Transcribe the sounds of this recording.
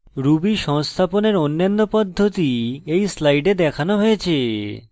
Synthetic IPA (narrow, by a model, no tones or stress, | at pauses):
ɾubiʃɔŋst̪ʰaponeɾonːanːopɔd̪ʱːot̪iejslajɖed̪ɛkʰanoɦojet͡ɕʰe